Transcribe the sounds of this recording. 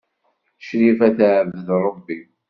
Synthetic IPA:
ʃɾifæθʕəvðɾˤobːi

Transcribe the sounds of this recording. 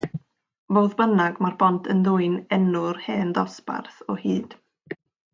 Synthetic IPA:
voːðbənaɡmarbɔntʰənðʊɨnɛnʊrheːndɔsba̰rθɔhiːd̥

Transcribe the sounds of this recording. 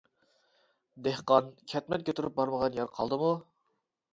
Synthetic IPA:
d̪ehqɑnkʲʰɛt̪mɛnkʲʰøt̪ʰyɾyp̚bɑɾməʁɑnjɛɾqʰɑ̰lˠd̪ɨmu

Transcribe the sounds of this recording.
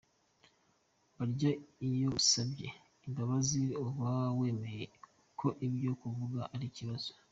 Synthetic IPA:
βaɾɟaijo̞usabɟe̞̰ | imbaβaziowawe̞ːme̞je | kʰo̞ʔibɟo̞kuvuɡaʔaɾiciβazo

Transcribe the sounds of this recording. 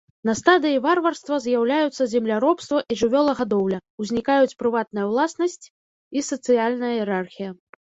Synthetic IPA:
nɐst̪ad̪ɨjivarvɐrst̪vɐzʲjawlʲajut̪sːɐzʲɛmlʲaɾɔpst̪vɐʔiʐɨvʲɔlˠɐɣad̪ɔwlʲɐwzʲnʲikajut͡sʲpɾɨvat̪̚nɐjɐwlˠasnɐsʲt͡sʲ | isɐt̪sɨjalʲnɐjɐjɛɾarxʲijɐ

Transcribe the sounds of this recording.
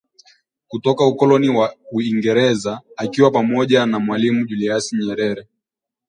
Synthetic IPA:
kutɔkaukɔlɔniwauiŋɡɛɾɛzaakiwapamɔʄanamwalimuʄuliasiɲɛɾɛɾɛ

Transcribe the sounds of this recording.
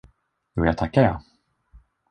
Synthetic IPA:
juːjaːɡ̚t̪ʰakːajaː

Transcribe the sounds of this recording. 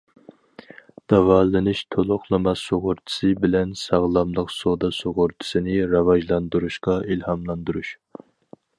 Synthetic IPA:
d̪̥ɑvɑlɨnɨʃt̪ʰolˠʊχlˠɨmɑsoʁʊɾt̪ʰɪ̥sɨbɪlɛnsɑʁlˠɑmlˠəqsod̪ɑsoʁʊɾt̪ʰɨ̥sɪnɪɾɑvɑʒlˠɑnd̪uɾuʃqɑilhɑmlˠɑnd̪uɾuʃ

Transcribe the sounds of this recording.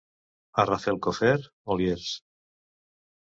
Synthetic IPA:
arafelkofeɾ | oljeɾs

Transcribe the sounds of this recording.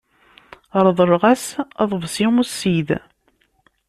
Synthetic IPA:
əɾˤðˤərˤʁæsæðˤvsimusːið

